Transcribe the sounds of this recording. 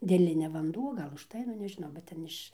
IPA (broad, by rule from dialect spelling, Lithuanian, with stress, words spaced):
dʲeːˈlʲɪnʲɛ ʋɐnˈduɔ ˈɡɐlˠ ʊʃˈtɐɪ nʊ nʲɛʒʲɪˈnɐʊ bʲɛt ˈtʲɛn ɪʃ